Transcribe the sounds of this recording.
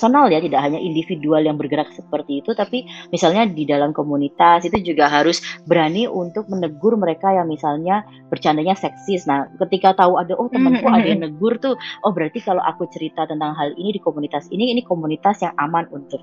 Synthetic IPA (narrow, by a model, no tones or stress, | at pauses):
sonaljat̪idakɦaɲaʔindifidualjaŋbərɡəɾak̚səpərt̪iːt̪ut̪apimisalɲadidalamkomunit̪asit̪ud͡ʒuɡaɦaɾʊsbəɾaniʔunt̪ʊk̚mənəɡʊrməɾekajaŋmisalɲa | b̥ərt͡ʃandaɲasɛksɪsnahkət̪ikat̪auadaʔɔht̪əmənkuadanəɡʊrt̪ʊʔɔhbəɾart̪ikaloʔa̰kut͡ʃəɾit̪at̪ənt̪aŋɦalinidikomunit̪asiniːnikomunit̪asjaŋamanunt̪ʊk̚